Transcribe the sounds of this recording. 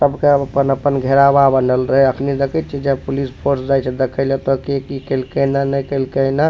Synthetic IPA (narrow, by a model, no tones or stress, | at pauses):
səbʱkeəəpənəpənɡʱeɾababənəlɾəɦɛəkʰnid̪ekʰɛt̪̚t͡ʃʰɛd͡ʒɛpulispʰoɾsd͡ʒajt͡ʃʰɛd̪ekʰəɪlet̪ɔkekikəlkənanəjkəlkəjna